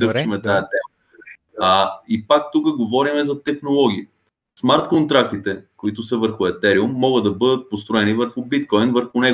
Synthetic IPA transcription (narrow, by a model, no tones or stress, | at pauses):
d̪ɤt͡ʃimɛt̪ajət̪ɛm | aipak̚t̪ukəɡovɔɾimɛzɐt̪ɛxnolˠɔɡʲii | smaɾt̪kont̪ɾak̚t̪it̪ɛkoit̪ʊsəvəɾxʊɛt̪ɛɾiumːɔɡəd̪ɐbɤd̪ət̪̚post̪ɾoɛnivəɾxʊbit̪̚kɔjnvəɾxʊnɛɡ